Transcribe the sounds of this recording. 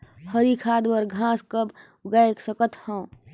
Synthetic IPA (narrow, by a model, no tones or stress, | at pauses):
həɾikʰaːd̪bəɾɡʱãːskəb | ɡajksəkət̪hãː